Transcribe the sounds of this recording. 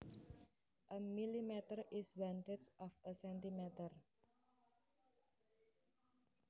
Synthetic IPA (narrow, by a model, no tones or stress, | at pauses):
ʔəmilimɛt̪ərʔiswant̪esɔfəsɛnt̪imɛt̪ər